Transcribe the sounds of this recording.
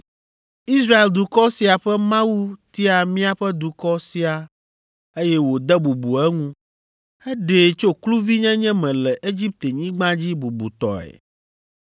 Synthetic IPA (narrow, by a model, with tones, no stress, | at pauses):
i˦sɾa˦e˨ld̪u˨kɔ˦si˨a˨ɸɛ˦mã˦wu˦t̪i˦a˨mĩ˦a˦ɸɛ˦d̪u˨kɔ˦si˦a˨ | e˦jɛ˦wo˨d̪ɛ˦bu˨bu˨ɛ˦ŋũ˦ | ɛ˦ɖe˨t͡ʃo˦klu˦vi˦ɲɛ̃˦ɲɛ̃˦mɛ̃˨lɛ˨ʔe˦d͡ʑi˦p̚t̪e˨ɲĩ˦ɡ͡bã˦d͡ʑi˦bu˨bṵ˨t̪ɔ̰˨ɛ̰˨